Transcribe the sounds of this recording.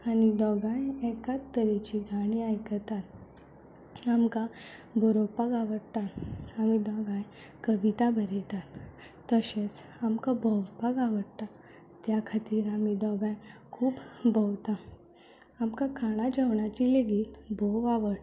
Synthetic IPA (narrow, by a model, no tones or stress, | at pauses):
anid̪ɔɡãjɛkat̪ːəɾet͡ɕiɡʱaɽ̃iajkəɾt̪at̪̚ | amkabʱɔɾɔpaɡaʋəɽ̚t̪at̪amid̪ɔɡãj | kəʋit̪abʱəɾet̪at̪ː | əɕes | amkabʱɔʋpaɡaʋəɽ̚t̪a | t̪jakʰat̪iːɾamid̪ɔɡãjkʰuːbbʱɔwt̪a | amkakʰaɽ̃ad͡ʑəwɳat͡ɕileɡiːt̪bʱoʋaʋəʈ